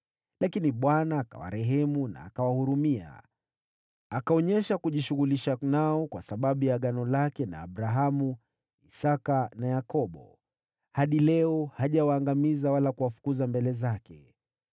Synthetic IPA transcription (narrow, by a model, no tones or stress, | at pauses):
lakiniɓwanaːka̰wa̰ɾɛɦɛmuna̰ːkawahuɾumia̰ | akaɔɲɛʃakuʄiʃuɣuliʃanaɔkwasaɓaɓujaɠanɔlakɛna̰ːɓɾaɦamu | isakanajakɔɓɔ̰ | haɗilɛɔhaʄawaːŋɡamizawalakuwafu̥kuzambɛlɛzakɛ